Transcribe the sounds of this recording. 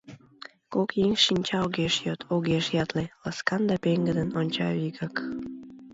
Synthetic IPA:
kokjeŋʃinʲt͡ɕɑoɣeʃjot̪ʰoɣeʃjɑt̪lelɑskɑnd̪ɑpeŋɡəd̪ənonʲt͡ɕɑiɣɑk

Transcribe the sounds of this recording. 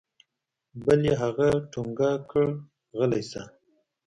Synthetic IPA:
baleɦaɣaʈuŋɡakʰəɽ | ɣəlajsa

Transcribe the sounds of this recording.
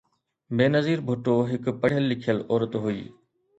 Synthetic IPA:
beːnəziːɾbʱʊʈoːɦɪkpəɽ̤ɪjəlːɪkʰjəlɔːɾət̪ɦʊḭː

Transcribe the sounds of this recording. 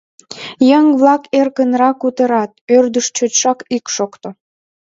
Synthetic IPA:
jəŋβlɑkerkənɾɑkut̪əɾɑt̪̚ørd̪əʃt͡ɕotʃɑkikʃokt̪o

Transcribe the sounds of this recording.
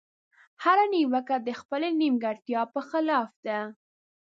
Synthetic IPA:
haɾaniwakad̪əxpəlenimɡaɽt̪jɑpəxɪlɑfd̪a

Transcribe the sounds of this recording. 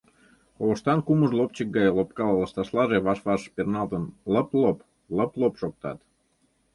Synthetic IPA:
oβəʃt̪ɑnkuməʒlopt͡ɕək̚ɡɑjlop̚kɑlləʃt̪ɑʃlɑʒeβɑʃβɑʃpernɑld̪ənləplop | ləplopʃok̚t̪ɑ̰t̪

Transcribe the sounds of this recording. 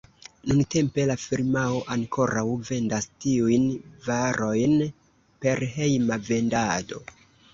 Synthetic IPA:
nunte̞mpe̞lafiɾmao̞ʔaŋkʰo̞ɾawve̞ndastiujnvaɾʔo̞jn | pe̞ɾɦe̞jmave̞ndado̞

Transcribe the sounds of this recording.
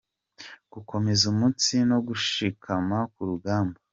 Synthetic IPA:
ɡ̥ukʰo̞me̞zumut͡sino̞ɡuʃikʰamakuɾuɡaːmba

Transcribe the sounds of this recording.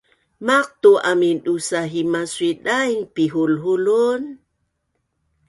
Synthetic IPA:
maq̚t̪uʔaminɗusaɦimaswiɗajŋpiɦulɦulun

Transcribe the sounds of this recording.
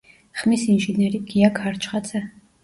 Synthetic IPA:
χmisinʒinɛɾiɡ̥iakʰaɾt͡ʃʰχat̪sʰɛ

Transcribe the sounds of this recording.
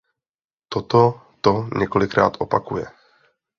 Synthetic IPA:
t̪ot̪o | t̪oɲɛko̞lɪkɾa̰ːt̪ʔo̞pakujɛ

